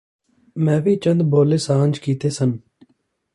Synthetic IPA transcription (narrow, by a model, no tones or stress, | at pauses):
mɛ̃ːʋiːt͡ʃə̃nd̪boːleːsãːnd͡ʒkiːt̪eːsən